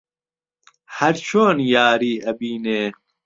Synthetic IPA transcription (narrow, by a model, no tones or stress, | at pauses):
hɐɾt͡ɕʰoːnjaːɾiːɐbiːneː